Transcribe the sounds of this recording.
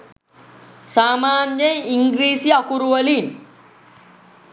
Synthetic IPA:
saːmaːɲejiŋɡɾiːsiakuɾuwɐliːn

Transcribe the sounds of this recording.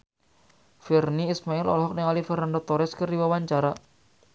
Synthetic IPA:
firniːsmaɪlɔ̰lɦɔk̚nɪŋalifɛrnandɔt̪ɔɾɛskərdiwawaɲt͡ʃaɾa

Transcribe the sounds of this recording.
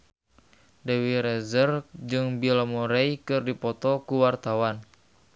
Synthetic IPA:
dewiɾɛzərd͡ʒɨŋbilɔmɔɾejkɨrdipɔt̪ɔkuwart̪awan

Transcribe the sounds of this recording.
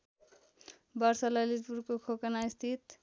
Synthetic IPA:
baɾsalalispuɾkokʰokanaist̪ʰit̪

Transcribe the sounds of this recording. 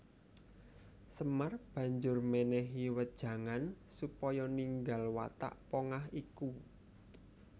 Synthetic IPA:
səmarb̥ä̤ɲd͡ʒʊrmenɛɦiwəd̥ʒ̥ä̤ŋansupɔjɔniŋɡalwa̰t̪a̰ʔpoŋahiku

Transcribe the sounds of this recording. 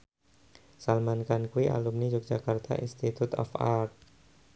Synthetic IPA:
salmankankuiʔa̰lumnid͡ʒuk̚d͡ʒakart̪ʰa̰ʔḭnst̪it̪ut̪ɔ̰far̚

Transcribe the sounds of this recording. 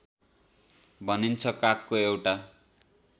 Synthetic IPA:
bʱʌnint͡sʰʌkakːoewʈa

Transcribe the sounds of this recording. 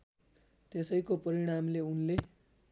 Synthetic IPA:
t̪esʌjkopʌɾiɽ̃amleunle

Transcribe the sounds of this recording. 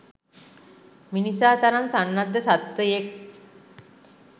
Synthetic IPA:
minisaːt̪aɾamsanːad̪ːəsat̪ʋəek̚

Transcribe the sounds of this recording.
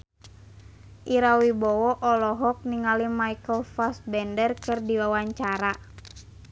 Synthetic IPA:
ʔiɾawibɔwɔʔɔlɔɦɔk̚niŋalimaikəlfɔsbɛndərkɨrdiwawaɲt͡ʃaɾa

